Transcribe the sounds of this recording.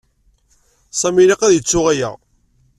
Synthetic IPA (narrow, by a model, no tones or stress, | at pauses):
sæmiliqæðjət͡sːʊʁæjæ̰ʁ